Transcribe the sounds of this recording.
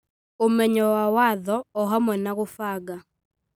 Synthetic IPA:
omɛɲɔwawaðɔɔɦamɔnaɣofaɡa

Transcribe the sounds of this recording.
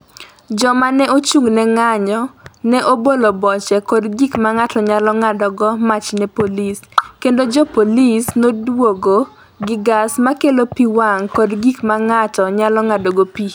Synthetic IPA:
d͡ʒɔmanɛot͡ʃuŋnɛŋaɲɔnɛʔobolobɔt͡ʃɛkɔdɡikmaŋatɔɲalɔŋadɔɡɔmat͡ʃnɛpoliskendod͡ʒɔpolisnodwoɡo | ɡɪɡasmakelopiwaŋkɔdɡikmaŋatɔɲalɔŋadɔɡopi

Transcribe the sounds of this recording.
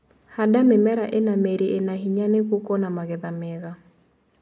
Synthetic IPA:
hadamɪmɛɾaʔenameɾiʔenaɦiɲanekokɔnamaɣɪðamɛɣa

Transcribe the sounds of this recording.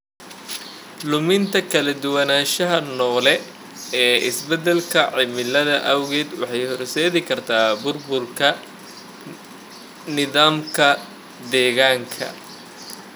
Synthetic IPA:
lʊmɪnt̪ʰɐkʰɐlɐd̪ʊwɐnaːʃɐɦɐnɔːlɛ | ɛːʔɪ̰sbɛd̪ɛlkʰɐʕɪmɪlɐðɐʔɐwɣɛːd̪wɑ̰ħɑjhɔrsɛːðɪkʰɐrt̪ʰaːbʊrbʊlkʰɐ | nɪðaːmkʰɐ | d̪ɛːɣaːŋkʰɐ̰

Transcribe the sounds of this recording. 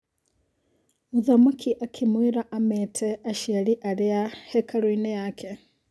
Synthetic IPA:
uðamakʰiʔakʰimwiɾaʔamɛtʰɛaʃialiʔaɾɛahɛkʰaɾwinɛjakʰe

